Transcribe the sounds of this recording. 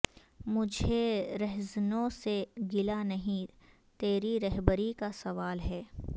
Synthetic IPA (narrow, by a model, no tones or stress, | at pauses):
mʊd͡ʒʱeɾɛɦznõseɡɪlanɐɦĩ | t̪eːɾiɾɛɦbəɾikasɐʋaːlɦɛː